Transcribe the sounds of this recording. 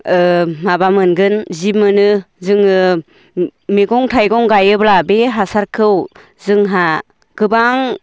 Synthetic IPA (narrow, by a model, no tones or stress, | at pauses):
ɯmabamɯnɡɯnzimɯnɯ | zɯŋɯ | meɡɔŋtʰajɡɔŋɡajɯblabeɦasaɾkʰɯw | zɯŋɦa | ɡ̥ɯbaŋ